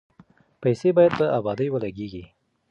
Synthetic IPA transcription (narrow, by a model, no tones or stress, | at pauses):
pajsebɑjad̪̚d̪əʔabɑd̪əjwəlaɡeɡi